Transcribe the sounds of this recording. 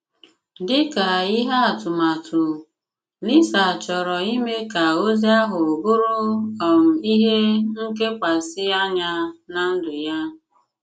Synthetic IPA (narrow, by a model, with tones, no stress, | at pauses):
dɪ˦ka˨i˦ɦa˦a˨tʊ˨ma˨tʰʊ˨ | ni˦sa˨t͡ʃɔ˨ɾɔ˨i˦me˦ka˨o˦zi˦a˦ɦʊ˨ɡʊ˦ɾʊ˦ɔ˨m̩˨i˦ɦe˦ŋ̩˦ke˦kʷa˨sɪ˦a˦ɲa˦na˦n̩˦dʊ˨ja˦